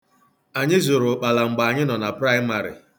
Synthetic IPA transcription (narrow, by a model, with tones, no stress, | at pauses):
a˨ɲɪ˦zo˨ɾʊ˨k͡pa˨la˨ŋ͡m̩˨ɡ͡ba˨a˨ɲɪ˦nɔ˨na˨pɾa˦ɪ˦ma˨ɾɪ̰˨